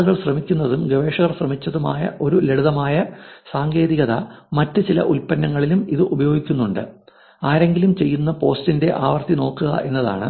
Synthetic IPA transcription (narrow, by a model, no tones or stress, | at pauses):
ɣɐɭɕrɐmikʲːunːɐðumɡɐʋe̞ːʂɐɣɐrɕrɐmit͡ɕːɐðuma̰ːjɐ̰ʔo̞ɾule̞ɽuðɐmaːjɐsaːŋɡe̞ːðiɣɐðɐ̰mɐtːɨt͡ɕilɐ̰ʔulpɐnːɐŋːɐɭilumiðɨʔubɐjo̞ːɡikʲːunːuɳɖɨ | aːɾe̞ŋɡilumt͡ɕe̞jːunːɐpo̞ːstinde̞ʔaːʋɐrt̪ino̞ːkːuɣɐ̰ʔe̞nːɐða̰ːɳɨ